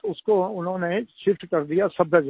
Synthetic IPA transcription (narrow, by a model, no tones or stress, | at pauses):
ʊskoʊnɦõːneʃɪfʈkɐɾd̪ijasɐb̚ɐd͡ʒ